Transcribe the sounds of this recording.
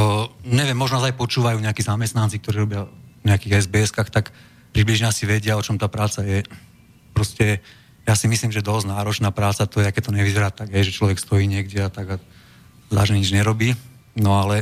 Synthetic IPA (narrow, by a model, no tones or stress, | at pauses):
ɲɛʋɪjɛmːɔʒnazajpɔt͡ʃuːʋajuːɲɛakizamɛst̪nant͡sik̚t̪ɔɾiːɾɔbɪavɲɛakiːɣɛzbɛːɛskaxt̪ak | pɾibliʒɲɛasiʋɛɟɪaɔt͡ʃɔmt̪aːpɾaːt͡sajɛ | pɾɔscɛ | jaːsimisliːmʒɛd̪ɔznaːɾɔt͡ʃnaːpɾaːt͡sat̪ɔjɛakɛt̪̚t̪ɔɲɛʋizɛɾaːt̪aɡɦɛjʒɛt͡ʃlɔʋɛkst̪ɔjiːɲɪɛɡɟɛat̪aɡa | zaʒɛɲid͡ʒɲɛɾɔbiː | nɔalɛ